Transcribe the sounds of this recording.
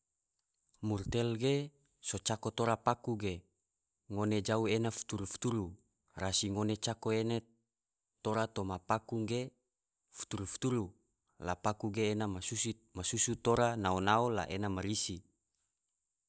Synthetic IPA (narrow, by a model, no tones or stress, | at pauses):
murt̪ɛlɡe | sot͡ʃakot̪oɾapakuɡe | ŋoned͡ʒauenafu̥t̪uɾufu̥t̪uɾu | rasiŋonet͡ʃakoene | t̪oɾat̪omapakuŋɡe | fu̥t̪uɾufu̥t̪uɾu | lapakuɡeːnau | masusut̪oɾanaonaola̰ʔenamaɾisi